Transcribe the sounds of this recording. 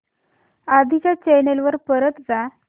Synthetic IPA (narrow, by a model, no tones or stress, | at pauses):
ad̪ʱit͡ɕjat͡ɕenelʋəɾpəɾət̪d͡za